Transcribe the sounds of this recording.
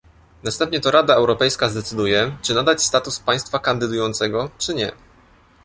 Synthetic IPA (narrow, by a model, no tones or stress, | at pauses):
nast̪ɛmpɲɛt̪ɔɾad̪aɛwɾɔpɛjskazd̪ɛt̪sɘd̪ujɛt͡ʂɘnad̪at͡ɕst̪at̪uspaj̃st̪fakand̪ɘd̪ujɔnt̪sɛɡɔt͡ʂɘɲɛ